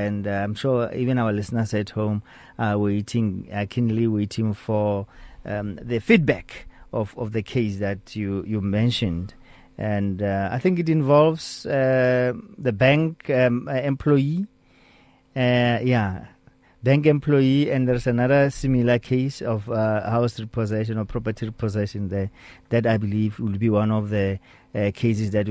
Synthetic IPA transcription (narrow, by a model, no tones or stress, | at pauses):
ɛ̃ndãjmʃɔḭvɛ̃nawalisnasɛthõm | awetʰĩŋakʰĩnliwetʰĩŋfɔ | ðəfid̚bɛkɔfɔfðəkʰesðatʰjujumɛ̃nʃɔ̃nd | ʔɛ̃nda̰jθĩŋkitĩnvɔlvs | ðəbɛ̃ŋkɛ̃mpʰlɔji | ja | bɛ̃ŋkɛ̃mpʰlɔjiɛ̃ndðɛɹsanaðəsĩmilakʰesɔfhawsɹipʰɔzɛʃɔ̃nɔpʰɹɔpətʰiɹipʰɔzɛʃɔ̃nððatajbilivwidbiwãnɔfðə | kʰes̬ɛsðat